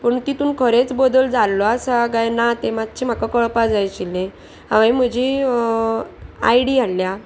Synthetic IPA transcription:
pəɳt̪it̪uːnkʰəɾet͡sbəd̪əld͡zalːɔasaɡajnat̪emat̪̚t͡ɕʰim̤akakəɭpad͡zajt͡ɕilẽ | ɦãʋajm̤əd͡ʑi | a̰jɽianlja

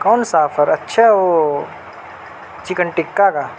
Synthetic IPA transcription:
kɔːnsaːfʰəɾɐtːʃʰaʋo | t͡ʃikəɳʈɪkːakaː

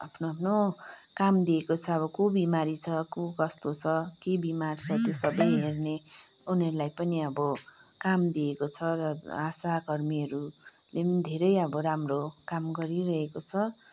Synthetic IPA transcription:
apʰnoapʰnokamd̪iekot͡sʰʌʌbʌkobimaɾit͡sʰʌkokʌst̪ot͡sʰʌkebimart͡sʰʌt̪josʌbʌjɦerne | unʌɾulajpʌniʌbʌkamd̪iekot͡sʰʌɾʌasaɡʌrmiʌɾu | led̪ʱeɾʌjʌbʌɾamrokamɡʌɾiɾʌɦekot͡sʰʌ

